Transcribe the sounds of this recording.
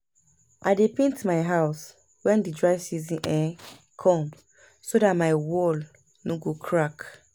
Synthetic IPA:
ʔaɪdepĩntmaɪɦaʊs | wɛ̃ndidɹaɪsizĩnʔɛ | kʰɔ̃m | sodatmaɪwɔl | noɡokʰɹak

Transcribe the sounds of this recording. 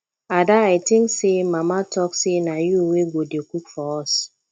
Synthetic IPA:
adaatɪŋsemamatɔksinajuweɡʷodekʷuk̚fɔɔs

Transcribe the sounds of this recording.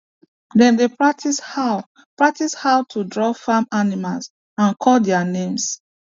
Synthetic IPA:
dɛ̃ndepɹak̚tisha | pɹak̚tishawtʰudɹɔfamanimals | ãnkʰɔldɛanẽms

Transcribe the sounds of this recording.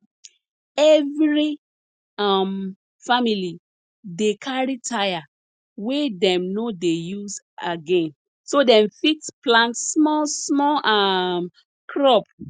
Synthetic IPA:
ɛvɹi | am | famili | dekʰaɹitʰaja | wedɛ̃mnodejuz | aɡɛ̃n | sodɛ̃ɱfiksplãntsmɔsmɔʔam | kʰɹɔp

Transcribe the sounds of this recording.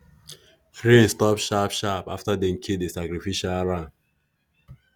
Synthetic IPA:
fɾĩstɔpʃapʃapa̰ftadɛ̃mkʰedesakɾifiʃalɾãn

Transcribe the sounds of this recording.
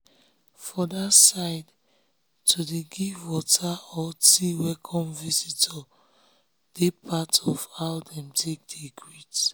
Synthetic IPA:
fɔdasaɪd | tʰudeɡivwɔtʰaɔtiwɛkʰɔ̃mvisitɔ | d̥epʰatɔfhaʊdɛ̃mtʰek̚deɡɹit

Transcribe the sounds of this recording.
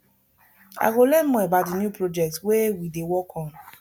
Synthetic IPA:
a̰ɪɡolɛ̃nmɔebatdinjupɹod͡ʒɛk̚twewidewɔkʰɔ̃n

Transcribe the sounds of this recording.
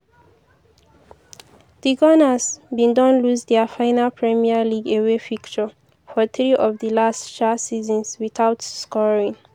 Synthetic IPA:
d̥iɡɔnasbĩndɔ̃nluzd̪əfãɪnalpʰɹɛmialiɡewefikt͡ʃə | fɔθɹiʔɔvdəlastʃasizɔ̃nswiθawtskɔɹĩŋ

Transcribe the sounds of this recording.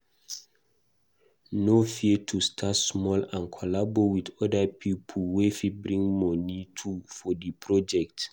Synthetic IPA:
nofiətʰustʰatsmɔlãnkʰɔlabowidɔdəpʰipʰəlwefibɹĩŋmɔnitʰufɔdəpʰɹɔd͡ʒɛk̚t

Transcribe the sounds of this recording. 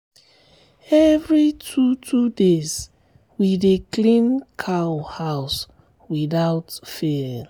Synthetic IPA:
ɛvɹitʰutʰudes | widiklĩnkʰawhaws | wiðaʊtfel

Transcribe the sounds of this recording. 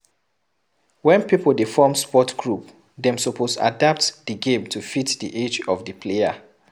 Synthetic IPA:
wɛ̃npipldifɔmspɔtɡɹup | dɛ̃msopʰosa̰dap̚tdəɡẽmtʰufitdiʔed͡ʒɔvdəpʰlea̰

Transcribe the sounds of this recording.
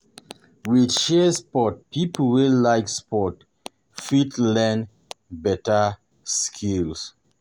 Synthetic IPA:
widʃɛspɔt̚pʰipl̩welaɪkspɔt | fitlɛ̃n | bɛta | skʰils

